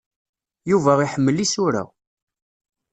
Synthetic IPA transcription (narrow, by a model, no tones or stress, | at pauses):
juvæʁiħəmːəlːisʊɾæ̰